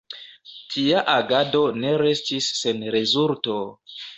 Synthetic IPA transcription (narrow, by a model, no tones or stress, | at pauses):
tʰiaʔaɡado̞ne̞ɾe̞stisːe̞nɾe̞zulto̞